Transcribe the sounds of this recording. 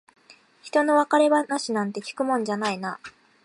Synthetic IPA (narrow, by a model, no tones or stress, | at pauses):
çi̥t̪o̞no̞βakaɾe̞βanaɕinãnt̪e̞kʲi̥kɯ̟mõ̞ɲ̟d͡ʑanaina